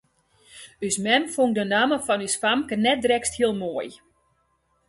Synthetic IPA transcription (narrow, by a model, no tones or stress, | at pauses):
ysmɛmfoŋ̚dənaːməfɔnysfamkənɛt̚drɛksthiəlˠmoəj